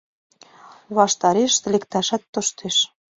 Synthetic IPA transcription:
βɑʃt̪ɑɾeʃt̪̆lekt̪æʃæt̪ːŏʃt̪eʃ

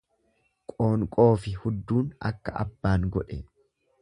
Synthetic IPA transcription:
kʼo̞ːŋkʼo̞ːfɪhʊd̪ːuːnɐ̰kːɐʔɐ̰bːaːŋɡɔᶑɛ

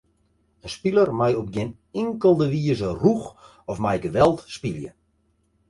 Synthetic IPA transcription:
ənspilərmajɔp̚ɡɪn | ɪŋkəlˠdəʋiəzərux | ɔfmajɡəʋɛlˠtspiljə̰

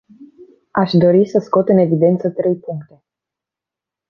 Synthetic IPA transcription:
aʃd̪o̞ɾisəsko̞t̪ɨne̞vid̪e̞nt̪sət̪ɾe̞jpuŋkt̪e̞

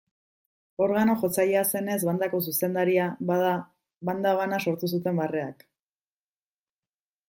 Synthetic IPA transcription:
o̞ɾɣano̞ʝo̞t͡sajease̞ne̞zβand̪ako̞s̬use̞nd̪aɾiaaða | βand̪aβ̞anaso̞ɾt̪us̬ut̪e̞mbare̞ak

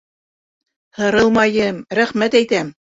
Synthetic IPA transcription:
hɤ̆ɾɤlˠmɑjɤmɾæχmæt̪æjt̪æm

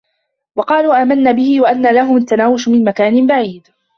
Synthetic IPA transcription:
wɑqɑːluːʔaːmanːaːbɪhɪwaʔanːaːlaɦʊmat̪ːanaːwɪʃmɪnmakaːnɪnbaʕiːd̪

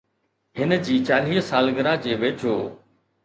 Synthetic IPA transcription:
ɦɪnəd͡ʑiːt͡ɕaːl̤iːɦsaːlɡəɾad͡ʑeːʋeːt͡ʃʰoː

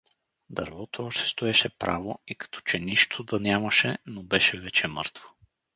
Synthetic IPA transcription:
d̪ə̰ɾvɔt̪oɔʃt̪ɛ̥st̪oɛʃɛpɾʔa̰voikɐ̥t̪ʰɔ̥t͡ʃɛnʲiʃt̪ʰod̪ɐnʲjamɐʃɛnobɛʃɛvɛt͡ʃɛmɤ̰ɾt̪vo̥

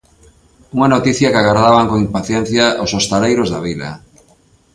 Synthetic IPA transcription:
uŋanot̪iθjakaɣaɾðaβaŋkoŋimpaθjen̟θjaʔosost̪aɾejɾozða̰βiða̰

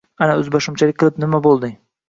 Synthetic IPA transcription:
anaɵzbɒʃɪmt͡ʃʰalɪkʲqɨlˠɪpnɪmabolˠd̪ɪ

